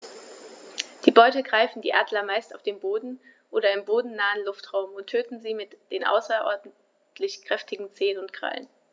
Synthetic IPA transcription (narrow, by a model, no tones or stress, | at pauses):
d̥iːbɔʏtəɡʁaɪfn̩dḭːʔaːdlɐmaɪstaʊfd̥eːmboːdn̩ | ʔoːɾɐɪmboːdn̩naːənlʊftʁ̥aʊmʊntʰːøːtn̩ziːmɪtd̥eːnʔa̰ʊsɐʔɔ̰ɐdn̩ | tʰlɪçkʁ̥ɛftɪɡŋ̩t͡seːənʊntɡ̥ʁ̥a̰lə̰n